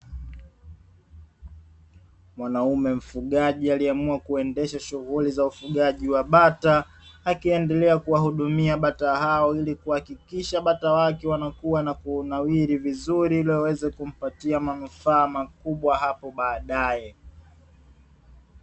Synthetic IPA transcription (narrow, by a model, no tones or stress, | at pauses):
mwanaumɛm̩fuɠaʄialiamuakuɛndɛʃaʃuɣulizaufuɠaʄiwaɓataː | kiɛndɛlɛakuwahuɗumiaɓataɦaɔilikuhakikiʃaɓatawakɛwanakuwanakunawiɾivizuɾilɔwɛzɛkum̩patiamanufaːmakuɓwaɦapɔɓaːɗajɛ